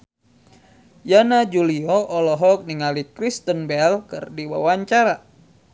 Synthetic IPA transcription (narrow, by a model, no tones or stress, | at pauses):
janad͡ʒuliɔʔɔlɔɦɔk̚niŋalikɾist̪ənbɛlkɨ̰rdiwa̰waɲt͡ʃaɾa